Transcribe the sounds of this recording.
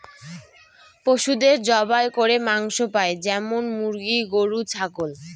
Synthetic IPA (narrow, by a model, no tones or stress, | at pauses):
poʃud̪eɾd͡ʑɔbaekoɾemaŋʃopaed͡ʑɛmonmuɾɡiɡoɾut͡ɕʰakol